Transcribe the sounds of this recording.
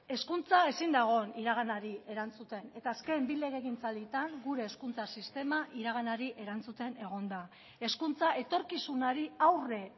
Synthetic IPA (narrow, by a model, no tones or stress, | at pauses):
e̞skunt͡sae̞sind̪aɣ̞o̞niɾaɣ̞anaɾie̞ɾant͡sut̪e̞ne̞t̪aːske̞mbile̞ɣeɣint͡sald̪it̪aŋɡuɾe̞ːskunt͡sasist̪e̞maʔiɾaɣ̞anaɾiʔe̞ɾant͡sut̪e̞ne̞ɣ̞o̞nd̪a | e̞skunt͡sae̞t̪o̞ɾkisunaɾiawre̞